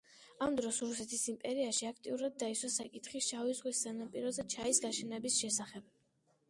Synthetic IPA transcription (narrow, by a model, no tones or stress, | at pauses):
amd̪ɾɔsɾusɛt̪ʰisimpʼɛɾiaʃiak̚ʰt̪ʼiuɾad̪̚ːaisʰwasakʼit̪χist͡ʃʰavizʁwissanapʼiɾɔzɛt͡ʃʰaisɡaʃɛnɛbisʃɛsaχɛb̥̚